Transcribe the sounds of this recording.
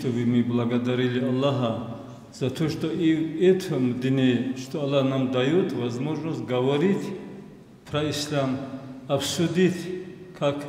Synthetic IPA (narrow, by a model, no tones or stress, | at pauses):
t̪ʰɔbimiblaɡad̪aɾilialːaɦa | z̥at̪ʰɔʃt̪ɔiet̪ʰmd̪init͡ʃt̪ʰɔalahnamd̪ajut̪ʰvazmɔʒnɔsɡavaɾit̪ʰ | pʰɾaislamafsud̪it̪ʰkʰakʰ